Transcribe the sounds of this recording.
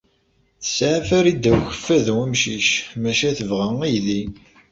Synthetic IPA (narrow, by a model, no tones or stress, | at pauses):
θə̥sʕafæɾid̪æwçə̥fːæðwæmʃiʃmæʃæθəvʁæŋijði